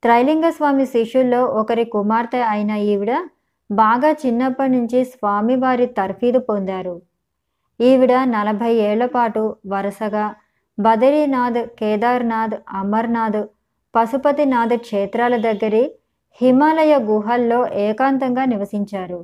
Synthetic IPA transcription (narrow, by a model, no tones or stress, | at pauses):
t̪ɾɐjliŋɡɐsʋaːmiʃiʂulːo̞ːʔɔkɐɾikumaːɾt̪ɐɐjnɐiʋiɽɐ | baːɡaːt͡ʃinːɐpːɐnuɲt͡ʃisʋaːmiʋaːɾit̪ɐɾpʰiːd̪upond̪aːɾu | iːʋiɽɐnɐlɐbʱɐjɛːɭːɐpaːʈuʋɐɾɐsɐɡaː | bɐd̪ɐɾiːnaːd̪kɛːd̪aːɾnaːd̪ɐmɐɾnaːd̪ | pɐsupɐt̪inaːd̪kʂɛːt̪ɾaːlɐd̪ɐɡːɐɾi | himaːlɐjɐɡuːɦɐlːo̞ːʔɛːkaːnt̪ɐŋɡaːniʋɐsiɲt͡ʃaːɾu